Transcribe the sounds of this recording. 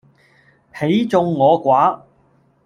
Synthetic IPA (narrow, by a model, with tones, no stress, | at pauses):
he˨˥jt͡sʊ˧ŋːɔː˨˧kʷaː˨˥